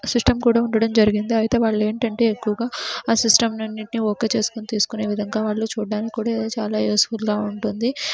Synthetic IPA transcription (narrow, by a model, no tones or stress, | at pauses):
sisʈɐmkuːɽaːuɳɖɐɽɐmd͡ʒɐɾiɡind̪iɐjit̪e̞ːʋaːɭːe̞ːɳʈɐɳʈe̞ːekːuʋɐɡaːaːsisʈɐmnɐnːiʈnioːke̞ːt͡ʃe̞ːsu̥kunit̪iːsu̥kune̞ːʋid̪ʱɐŋɡaːʋaːɭːut͡ʃuːɖːaːnikikːuːɽaːid̪oːt͡ʃa̰ːlaːeːsfulɡaːuɳʈund̪i